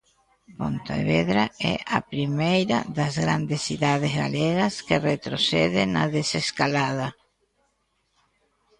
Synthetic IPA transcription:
po̰nt̪aḛβeðɾaɛ̰ʔa̰pɾimejɾɐ̰ðɐzɣɾand̪esθiðaðezɣa̰leɣɐskeret̪ɾoθɛðɪnɐðeseskalaðɐ

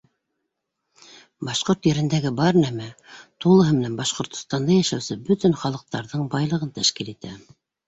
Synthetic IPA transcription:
bɑʃqoɾt̪jɘ̆ɾɘ̆nd̪æɡɘbɑɾnæmæt̪ulˠɤ̆ɦɤmɘ̆nænbɑʃqŏɾt̪ŏ̥st̪ɑnd̪ɑjæʃæwsɘbɵt̪ɘnχɑlˠɤ̆q̚t̪ɑɾðɤɴbɑjlˠɤ̆ʁɤnt̪æʃkilit̪æ

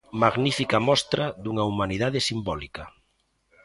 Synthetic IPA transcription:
maɣnifikɐmɔst̪ɾaðuŋaumanið̞að̞esimbɔlikɐ

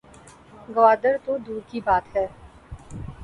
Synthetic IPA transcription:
ɡɐʋaːd̪əɾt̪od̪uːɾkibaːt̪ɦɛː

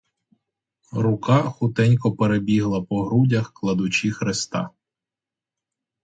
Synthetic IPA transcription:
ɾʊkɑxʊt̪ɛnʲkɔpeɾebʲiɦlˠɐpɔɦɾudʲɐxklˠɐd̪ʊt͡ʃʲixɾest̪ɑ̰

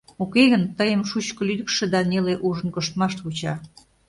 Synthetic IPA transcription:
okeɣənt̪əjəmʃut͡ɕkə̆lyd̪ə̆kʃĕd̪ɑneleʔuʒə̆nkoʃt̪mɑʃt̪βut͡ɕɑ

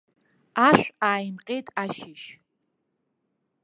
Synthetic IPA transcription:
aʃᶣʷaːjimqʲʼejtʼaʃɪʃ

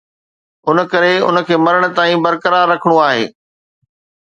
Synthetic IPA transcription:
ʊnə̆kɐɾeʊ̰nə̆kʰeːmɐɾəɽ̃ə̆t̪aːĩbɐɾkəɾaːɾːɐkʰəɽ̃uaːɦḛː

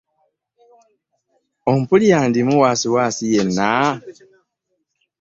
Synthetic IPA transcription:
om̩pulijaːndimuwaːsiwaːsijenːa

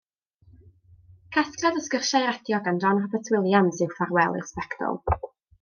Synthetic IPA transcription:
kʰaskradəskərʃajɾɛdjɔɡandɔnrɔbətʰwɪlˠjansɨwfarwɛlˠɪ̰rspɛkd̥ɔ̰lˠ

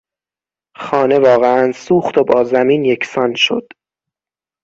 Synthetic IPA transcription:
xɒːne̞vɒːɣeænsuːxt̪obɒːzæmiːnjecʰsɒnʃo̞̰d̪̥

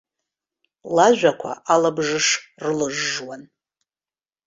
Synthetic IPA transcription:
laʒᶣʷakʷʰa̰ʔalabʐɨʂrɨlɨʐːwan

